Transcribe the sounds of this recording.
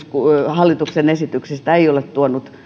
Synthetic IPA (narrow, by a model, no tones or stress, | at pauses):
skuhɑlːit̪uksenesit̪yksist̪æeiolet̪t̪uonut̪